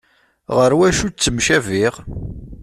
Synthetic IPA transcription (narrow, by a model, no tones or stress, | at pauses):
ʁəɾwæʃut͡sːəmʃæviʁ